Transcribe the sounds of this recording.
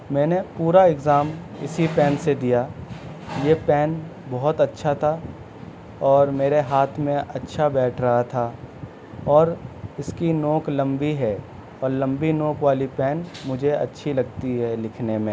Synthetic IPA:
mɛ̃ːnepuːɾaɪɡzaːm | ɪsipɛːnsed̪ija | jeːpɛːnbɔɦʊt̪ɐtːʃʰat̪ʰa | ɔːɾmeːɾeɦaːt̪ʰmẽɐtːʃʰabɛːʈʰɾɐɦat̪ʰa | ɔːɾɪskinoːklɐ̃mbiɦɛ | ɔːɾlɐ̃mbinoːkʋaːlipɛːnmʊd͡ʒʱeɐ̰tːʃʰilɐɡ̚t̪iɦɛlɪkʰnemẽː

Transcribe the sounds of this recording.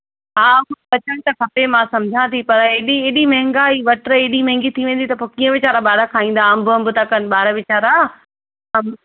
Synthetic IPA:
ɦaːkʊbɐt͡ɕən̆t̪ɐkʰɐpemãsɐmd͡ʑʱãt̪ipɐɾeɗieːɗimɐ̃ɦɪ̃ŋɡaiʋɐʈɾəeːɗimɐ̃ɦɪ̃ŋɡit̪ʰiʋẽːn̆d̪it̪ɐpokĩːə̃ʋɪt͡ɕaːɾaɓaːɾakʰaːĩːn̆d̪aɐmbə̃mbʊt̪akɐnɓaːɾaʋɪt͡ɕaːɾa | ɐm

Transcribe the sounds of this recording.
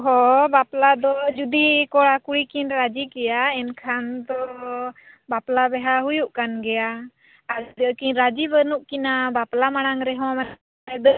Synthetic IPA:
ɦɔbaplad̪ɔd͡ʒud̪ikɔɽakuɽikinɾad͡ʒikɛjaɛnkʰant̪ɔ | baplabɛɦaɦujuʔkanɡɛja | aɾd̪əkiɲɾad͡ʒibənuʔkinabaplamaɽ̃aŋɾɛɦɔ̃mɛn | ɛd̪ə

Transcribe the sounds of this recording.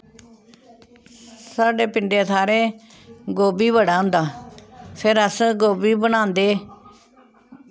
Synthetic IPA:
saːɖeːpɪɳɖeːt̪ʰaːɾeː | ɡoːbiːbəɽaːʊ̃nd̪aːpʰɪɾəsɡoːbiːbənãːnd̪eː

